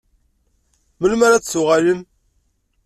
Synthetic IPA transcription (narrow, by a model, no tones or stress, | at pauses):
məlmæɾat͡ssʊʁaləm